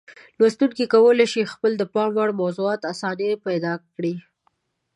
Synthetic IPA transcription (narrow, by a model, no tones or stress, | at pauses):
lwast̪uŋkikawəleʃixpəld̪əpɑmwaɽmawzuɑt̪asɑnepajd̪ɑkɽi